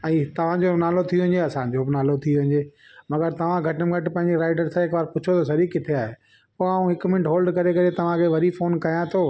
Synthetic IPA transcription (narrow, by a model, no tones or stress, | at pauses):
ɛ̃ːt̪ɐʋ̤ãd͡ʑonaːlot̪ʰijoʋɐ̃ɲd͡ʑeɐsãːd͡ʑobnaːlot̪ʰijoʋɪ̃ɲd͡ʑeː | mɐɡəɾt̪ɐʋ̤ãɡʱɐʈəmɡʱɐʈpɐ̃ɦɪ̃ɲd͡ʑeɾaːɪɖəɾsãɦɪkʋaːɾpʊt͡ɕʰot̪ʰosɐɾikɪt̪ʰeaːɦe | poːaːũɦɪkmɪ̃nʈɦoːlɖkɐɾekɐɾet̪ɐʋ̤ãkʰeʋɐɾifoːnkɐjãt̪ʰoː